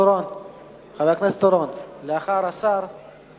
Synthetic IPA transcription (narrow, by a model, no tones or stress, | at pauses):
ɾon | χalaknast̪oɾonleaχaɾasaɾ